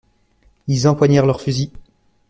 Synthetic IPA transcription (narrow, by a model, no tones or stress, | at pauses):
ilzɑ̃pwaɲɛʁlœʁfyzi